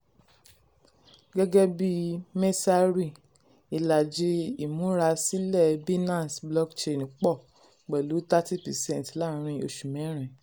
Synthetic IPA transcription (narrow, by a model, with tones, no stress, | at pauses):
ɡɛ˦ɡɛ˦bi˦me˦sa˦ɾi˦˨ | i˧la˨d͡ʒe˧˦i˨mũ˨˦ɾa˧si˦lɛ˦˨bi˦nã˦˨n˨sblɔ˦kt͡ʃe˧˨ñ˨˦k͡pɔ˦˨ | k͡pɛ˨lu˨˦ta˦ti˦˨pɛ˨sɛ̃˦˨n˨tla˦˨ɾ̃ĩ˧o˧ʃu˨mɛ̃˨˦ɾ̃ɛ̃˨